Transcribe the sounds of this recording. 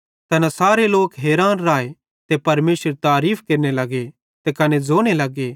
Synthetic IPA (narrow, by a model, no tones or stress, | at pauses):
t̪ɐnãsaːɾeloːkɦeːɾaːnɾaːe | t̪epɐɾmeːsəɾt̪aːɾiːpʰkeːɾnelɐɡe | t̪ekɐned͡zoːɽ̃elɐɡe